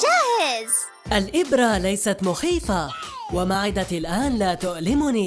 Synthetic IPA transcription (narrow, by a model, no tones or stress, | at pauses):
d͡ʒaːhɪz | ʔalʔɪbɾˤalajsat̪mʊxiːfawamaʕɪd̪alʔaːnlaːt̪ʊʔlɪmʊniː